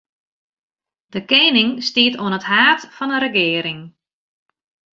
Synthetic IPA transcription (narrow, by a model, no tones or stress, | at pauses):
d̥əkeːnɪŋstiətoənəthaːtfɔnəɾəɡɪːəɾɪŋ